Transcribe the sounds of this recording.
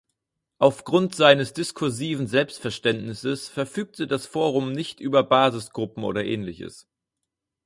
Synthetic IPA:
ʔaʊfɡ̥ʁʊntz̥aɪnəsd̥ɪskʰʊɐziːvn̩zɛlpstfɛɐʃtɛntnɪsəsfɛɐfyːk̚tʰədasfoːʁʊmnɪçtʔyːbɐbaːzɪsɡ̥ʁʊpm̩ʔo̰ːɾɐʔɛ̰ːnlɪçə̰s

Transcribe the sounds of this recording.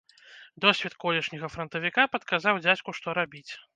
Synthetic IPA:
d̪ɔsʲvʲɛt̪kɔlʲɛʂnʲɐɣɐfɾɐnt̪ɐvʲikapɐt̪kazawd͡zʲat͡sʲkuʂt̪ɔɾabʲit͡sʲ

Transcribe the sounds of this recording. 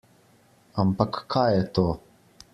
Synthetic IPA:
ampakːʰajɛt̪oː

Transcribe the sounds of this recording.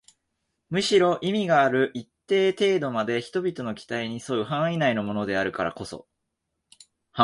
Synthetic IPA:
mɯ̟ɕiɾo̞ʔimʲiɡaːɾɯ̟ʔit̪ːe̞ːt̪e̞ːd̪o̞mad̪e̞çi̥t̪o̞bʲit̪o̞no̞kʲi̥t̪aiɲ̟isoɯ̟ɦãɰ̃inaino̞mo̞no̞d̪e̞aɾɯ̟kaɾa̰ko̞so̞̰ | h

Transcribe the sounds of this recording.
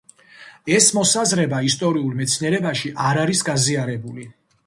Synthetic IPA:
ɛsmɔsazɾɛbaist̪ʼɔɾiulˠmɛt̪sʰniɛɾɛbaʃiʔaɾaɾisɡaziaɾɛbuli

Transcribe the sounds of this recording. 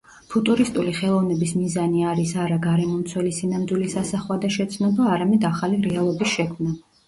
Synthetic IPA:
pʰut̪ʼuɾist̪ʼuliχɛlˠɔvnɛbismizaniaɾisaɾaɡaɾɛmɔmt̪sʰwɛlisinamd̪wilisasaχwad̪aʃɛt̪sʰnɔbaːɾamɛd̪aχaliɾɛalˠɔbisʃɛkʰmna

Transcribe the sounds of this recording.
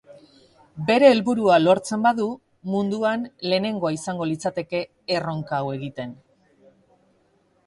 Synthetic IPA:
be̞ɾe̞ːlβuɾualo̞ɾt͡se̞mbaðu | mund̪uanle̞ːne̞ŋɡo̞aisaŋɡo̞lit͡sat̪e̞ke̞ː | ro̞ŋkawe̞ɣ̞it̪e̞n

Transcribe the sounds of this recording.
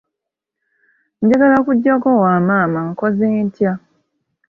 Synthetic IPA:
m̩ɟaɡalakuɟːakowaːmaːmaŋkozeːntja

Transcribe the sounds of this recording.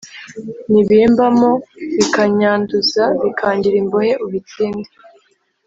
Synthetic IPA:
niβiːmbamoβikaɲaːnduzaβikʰaːɲɟiɾimbohe̞ʔuβit͡siːnde

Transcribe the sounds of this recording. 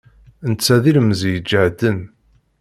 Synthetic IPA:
nt͡sːæðilməzjəd͡ʒːəʕd̪ən

